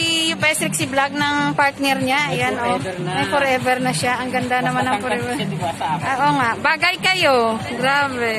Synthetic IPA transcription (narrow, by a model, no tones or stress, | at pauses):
ijʊpɛst̪ɾɪk̚sɪblaɡ̚nɐŋpaɹt̪̚nɛɾɲajanʔomɐjfoɾʔɛvɛɾnɐʃaʔɐŋɡɐnd̪anɐmanɐŋfɔɾʔɛɛʔʔoːŋaʔbaːɡɐjkɐjoɡɾaːbɛ